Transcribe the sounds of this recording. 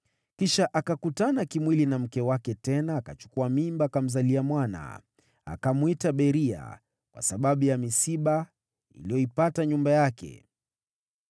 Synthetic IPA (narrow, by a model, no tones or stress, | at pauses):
kiʃaʔakakutanakimwilinam̩kɛwakɛtɛnaːkat͡ʃu̥kuamimbakam̩zaliamwana̰ | a̰kamwitaɓɛɾia̰ | kwa̰saɓaɓujamisiɓa | ḭlijɔipataɲumbajakɛ̰